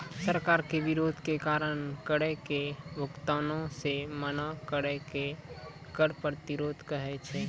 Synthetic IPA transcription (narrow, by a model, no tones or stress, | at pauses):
səɾkaːɾkebiɾod̪ʱkekaɾəñkəɾɛkebʱʊkt̪anõsemənakəɾɛke | kəɾpəɾt̪iɾoːd̪ʱkəɦɛt͡ʃʰɛ